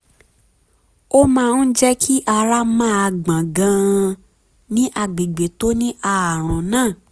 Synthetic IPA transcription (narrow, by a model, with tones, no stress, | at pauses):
o˦mãː˦˧n̩˦d͡ʒɛ˦kʰi˦ʔa˧ɾa˦mãː˦˨a˧ɡ͡bã˨ɡã˧ | nĩ˦ʔa˨ɡ͡be˨ɡ͡be˨to˦nĩ˦ʔa˦˧˨a˨ɾ̃ɔ̃˨nãː˦˨